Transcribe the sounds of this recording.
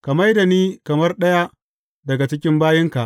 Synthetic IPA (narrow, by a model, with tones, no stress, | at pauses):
kɐ˨ma˦jda˨niː˦kɐ˨mɐ˦rɗɐ˦ja˦ | dɐ˨ɡa˨t͡ʃɪ˦kʲɪ˦mbaː˦jɪ˦ŋka˨ʔ